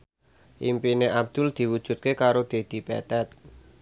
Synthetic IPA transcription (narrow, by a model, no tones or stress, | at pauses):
ʔimpineʔab̚d̪̥ʊ̤ld̪̥i̤wud̥ʒ̥ṳt̪̚kekaɾod̪̥e̤d̪̥i̤pɛ̰t̪ɛt̪̚